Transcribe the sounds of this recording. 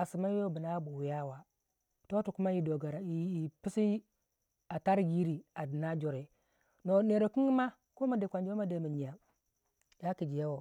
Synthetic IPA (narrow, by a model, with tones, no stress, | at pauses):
a˨si˨ma˦e˦˨bi˨na˦bu˨wi˨ja˦wa˨ | to˦tu˨ku˦ma˦ji˨do˨ɡa˨ɾa˨i˨pi˦si˦ | a˨ta˦ɾɡi˦ɾi˨a˨di˨na˦d͡ʒo˨ɾe˨ | no˨ne˨ɾo˨ki˦ŋɡi˦ma˦ | ko˦ma˨de˨kʷa˨nd͡ʒo˦ma˦de˨mi˨ɲi˨ja˨ | ja˦ki˨d͡ʒi˨ja˦wo˨